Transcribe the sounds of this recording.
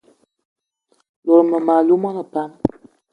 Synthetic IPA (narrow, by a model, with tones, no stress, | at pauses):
lɔ˨ɾmə˨ma˨lu˦mɔ˦nə˨pa˦m